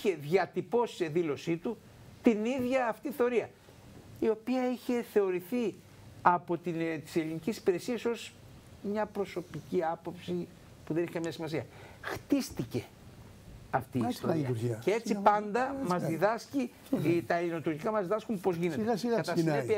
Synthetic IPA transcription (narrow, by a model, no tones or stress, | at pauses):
içe̞ðʝɐt̪ipo̞si̥se̞ðilo̞sit̪u | t̪iniðʝɐːft̪iθeo̞ɾiɐ | io̞piɐiçe̞θe̞o̞ɾiθi | ɐpo̞t̪int̪i̥se̞linicisi̥piɾe̞siɐso̞s | mɲɐpɾo̞so̞piciɐpo̞psi | puðeneçekɐmɲɐsimɐs̬iɐxt̪ist̪ice̞ | ɐft̪iːst̪oiɐɾiɐcee̞t͡sipɐnd̪ɐmɐzðiðɐsci | t̪ɐelino̞t̪uɾʝikɐmɐzðiðɐskumpo̞zʝinet̪skɐt̪ɐsepi